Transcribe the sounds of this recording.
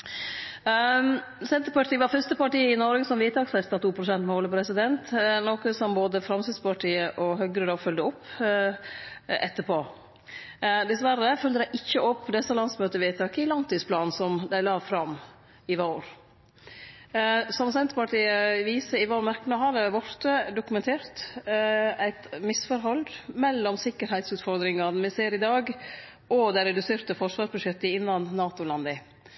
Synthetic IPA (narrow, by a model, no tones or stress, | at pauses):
sɛnt̪əɾpɑʈʰiːʋɑɾfœɾst̪əpɑʈiːəɪnɔɾɪɡsɔmʋiːt̪ʰɑːksɛst̪ɑt̪ʰuːpʰɾʊsɛnt̪mɛɔːlːəpɾɛsɪd̪ɛnt̪nokəsɔmboːd̪əfɾɑmsɪd̪spʰɑʈʰiːəʔɔɦœɡɾəd̪ɑːfœld̪əɔpː | ɛt̪ːəpoː | d̪ɛsʋæɾəfœld̪əd̪æɪʔɪçːəʔɔpːd̪ɛsːəlɑnsmøːt̪əɾʋiːt̪ʰɑːkəɪlɑnt̪ʰiːspʰlɑːnsɔmd̪æɪlɑːʋfɾɑm | ɪʋoːɾ | sɔmsɛnt̪əpɑʈʰiːəʋiːsəɪʋoːɾmæɾknəɦɑd̪əʋɔɾt̪əd̪ʊkʉmɛnt̪ʰeːɾt̪ | æɪt̪mɪsfɔɾɦɔldmɛlːɔmsɪkːəɾhæɪt̪sʉːt̪fɔɾd̪ɾɪŋɑnmɛseːɾɪd̪ɑːɡ | ɔd̪æɪɾɛd̪ʉseːɾt̪əfɔɾʂʋɑːʂbʉʂɛt̪ːəɪɪnːɑnːɑːt̪ʊlɑnd̪ə